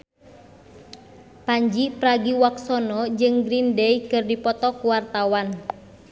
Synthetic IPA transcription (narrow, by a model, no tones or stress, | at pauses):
paɲd͡ʒipɾaɡiwaksɔnɔd͡ʒɨŋɡɾindɛikɨrdipɔt̪ɔkuwart̪awan